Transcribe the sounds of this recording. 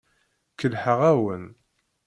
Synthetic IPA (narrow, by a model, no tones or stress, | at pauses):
kəlħəʁæwən